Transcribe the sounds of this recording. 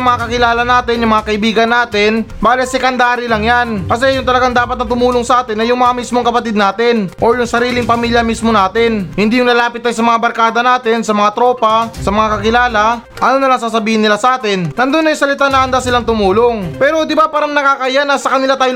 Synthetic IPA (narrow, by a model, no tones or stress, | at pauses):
mɐŋakɐkɪlaːlɐnaːt̪ɪnjʊŋmɐŋakɐʔɪbiːɡɐnːaːt̪ɪnbaːlɛsɛkɐnd̪aːɾɪlɐŋjanpɐs̬ɛjʊŋt̪ɐlɐɡaŋd̪aːpɐt̪̚nɐt̪ʊmuːloŋsɐʔaːt̪ɪnːɐjʊŋmɐŋamismoŋkɐpɐt̪id̪̚naːt̪ɪnʔoɾjʊŋsɐɾiːlɪŋpɐmiːljɐmismo̞naːt̪ɪnhɪnd̪iːjʊŋlɐlaːpɪt̪̚ːaːjsɐmɐŋabɐɾkaːd̪ɐnaːt̪ɪnsɐmɐŋat̪ɾo̞ːpɐsɐmɐŋakɐkɪlaːlɐ | ʔɐnonɐlaŋsasɐbiːhɪnːɪlasɐʔaːt̪ɪnːɐnd̪onːɐjʊŋsɐlɪt̪anɐʔɐnd̪asɪlaŋt̪ʊmuːloŋpɛːɾo̞d̪ɪbapaːɾɐŋnɐkakɐʔjanɐsɐkɐnɪlat̪aːj